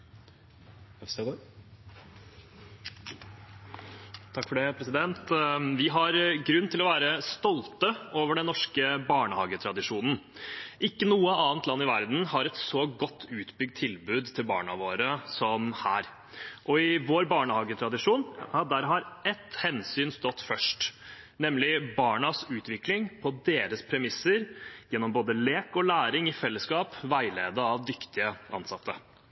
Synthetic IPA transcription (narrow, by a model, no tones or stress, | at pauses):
t̪ʰɑkːfɔɖepʰɾɛsɪd̪ɛnt̪ʋɪɦɑɾɡɾʉnːt̪ʰɪlɔʋæːɾəst̪ɔlt̪əoːʋəɖɛnnɔʂkəbɑːɳəhɑːɡət̪ʰɾɑd̪ɪʂuːnn̩ | ʔɪkːənuːəɑːnt̪lɑnːɪʋæɾd̪n̩hɑɾɛt̪sɔɡɔt̪ʰːʉːt̪bʏɡ̚t̪ʰːɪlbʉːd̪t̪ʰɪlbɑ̰ːɳɑʋoːɾəsɔmhæːɾ | ʔɔɪʋoːɾbɑːɳəhɑːɡət̪ʰɾɑd̪ɪʂuːnhɑd̪æːɾɦɑɾɛt̪ːhɛnsyːnst̪ɔt̪ːfœʂʈ | nɛmlɪbɑːɳɑsʉːt̪ʋɪklɪŋpʰɔd̪eːɾəspʰɾɛmɪsːəɾjɛnːɔmboːd̪əleːkɔlæːɾɪŋɪfɛlːəskɑːpʋæɪleːd̪əɑʋd̪ʏkt̪ɪəʔɑ̰nsɑt̪ʰːə